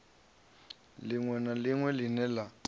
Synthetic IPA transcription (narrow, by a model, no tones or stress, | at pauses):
lɪŋwɛnalɪŋwɛlɪnɛla